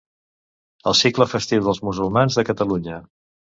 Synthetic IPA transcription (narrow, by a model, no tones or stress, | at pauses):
əlˠsikləfəst̪iwðəlˠzmuzulˠmanzðəkət̪əluɲə